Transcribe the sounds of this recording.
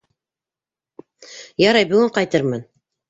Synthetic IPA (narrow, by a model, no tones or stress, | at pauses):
jɑɾɑjbʉ̆ɡɘɴqɑjt̪ɤɾmɤn